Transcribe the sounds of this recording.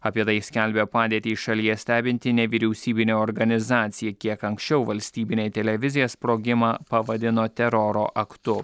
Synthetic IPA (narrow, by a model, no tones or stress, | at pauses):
ɐpʲiɛt̪ɐɪsʲkʲɛlʲbʲepɑːd̪ʲiːt̪ʲiːʃɐlʲiɛsʲt̪ʲæːbʲɪnʲt̪ʲɪnʲɛʋʲiːɾʲɛʊsʲiːbʲɪnʲoːɔːɾɡɐnʲɪzɑːt̪sʲɪjɛkʲiɛkɐŋksʲt͡ʃʲɛʊʋɐlʲsʲt̪ʲiːbʲɪnʲeɪt̪ʲɛlʲɛʋʲɪzʲɪjoːspɾoːɡʲɪmɑːpɐʋɐd̪ʲɪnoːt̪ʲɛɾɔɾoːʔɐkt̪ʊ